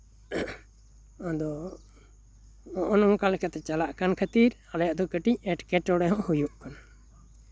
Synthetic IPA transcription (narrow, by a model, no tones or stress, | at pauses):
ɔ̃d̪ɔ | ɔʔɔnɔmkalkat̪ɛt͡ʃalaʔkankʰət̪iɾalajaʔd̪ɔkəʈiɲ̚ɛʈkɛʈɔɽɛɦɔ̃ʔhujuʔkana